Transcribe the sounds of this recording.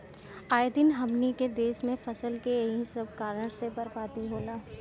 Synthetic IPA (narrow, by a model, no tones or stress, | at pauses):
aːjd̪ɪnɦɐmniked̪eːʃmẽfɐsəlkeɦĩsɐb̚kaːɾəɽ̃sebɐɾpaːt̪iɦoːlaː